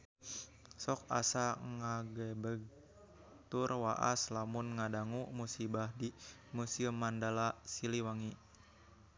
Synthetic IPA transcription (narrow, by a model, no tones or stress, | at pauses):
sɔk̚a̰saŋaɡɛbəɡ̚ | t̪urwaʔa̰slamunŋadaŋumusibahdimusiəmːandalasiliwaŋi